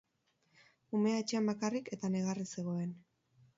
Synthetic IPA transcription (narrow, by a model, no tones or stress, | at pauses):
ume̞aet͡ʃeambakarike̞t̪ane̞ɣ̞arise̞ɣ̞o̞e̞n